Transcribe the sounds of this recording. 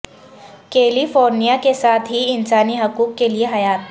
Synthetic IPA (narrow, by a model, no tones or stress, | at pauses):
keːlifoːɾnijakesaːt̪ʰɦiɪnsaːniɦʊkuːkːelieɦɐjaːt̪